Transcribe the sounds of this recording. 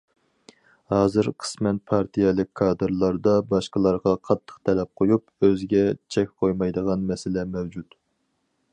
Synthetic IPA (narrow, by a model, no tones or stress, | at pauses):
hɑːzɨɾqʰə̥smɛn̚pʰɑɾt̪ʰijɛlˠɪk̚ʲkʰːɑːd̪ɨɾlˠɑɾd̪ɑbɑʃqəlˠɑɾʁɑqʰɑt̪ʰːə̥qt̪ʰɛlɛp̚qʰojupøzɡʲɛt͡ʃʰɛkʲqʰojmɑjd̪əʁɑnmɛsɪlɛmɛwd͡ʒut̪